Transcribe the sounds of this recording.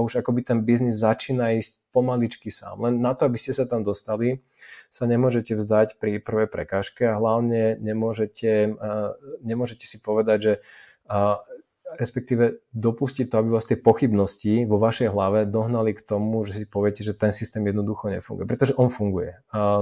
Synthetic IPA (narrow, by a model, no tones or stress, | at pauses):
auʒakɔbit̪ɛnbiznizːat͡ʃiːnaiːsc̚pɔmalit͡ʃkisa̰ːmlɛnːat̪ɔabiscɛsat̪amd̪ɔst̪ali | saɲɛmʊɔʒɛcɛvzd̪acpɾipr̩ʋɛjpɾɛ̰kaːʃkɛaɦlaʊɲɛɲɛmʊɔʒɛcʰɛ | ɲɛmʊɔʒɛcɛ̥sipɔʋɛd̪aɟʒɛ | ɾɛspɛk̚t̪iːʋɛd̪ɔpuscit̪ːɔabiʋaːst̪ɪɛpɔxibnɔsciʋɔʋaʃɛjɦlaʋɛd̪ɔɦnalikt̪ɔmuʒɛsipɔʋɛcɛʒɛt̪ɛnsist̪ɛːmjɛd̪nɔd̪uxɔɲɛ̰fuŋɡṵjɛpɾɛt̪ɔʒɛʔɔnfuŋɡujɛ̰